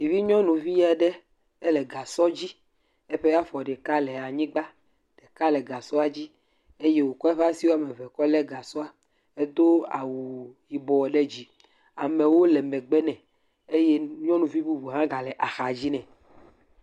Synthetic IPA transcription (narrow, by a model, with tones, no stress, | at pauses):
i˨vi˦ɲɔ̃˦nũ˨vi˦ja˨ɖɛ˦ | ɛ˦lɛ˨ɡa˨sɔ˦d͡ʑi˦ | e˦ɸe˦ja˦fɔ˨ɖɛ˨ka˦lɛ˨a˨ɲĩ˦ɡ͡ba˦ | ɖ̥ɛ˨ka˦lɛ˨ɡa˨sɔ˦a˨d͡ʑi˦ | e˦je˦wo˨kɔ˦ɛ˦ɸa˦si˦wo˦a˨mɛ˨vɛ˨kɔ˦lɛ˦ɡa˨sɔ˦a˦ | e˦d̪o˦a̰˨wu˨ji˨bɔ˨ɖɛ˦d͡ʑi˦ | a̰˨mɛ̃˨wo˦lɛ˨mɛ˨ɡ͡bɛ˦nɛ̃˨ | e˦je˦ɲɔ̃˦nũ˨vi˦bu˦bu˨ɦã˦ɡa˨lɛ˨ʔa˨xa˨d͡ʑi˦nɛ̃˨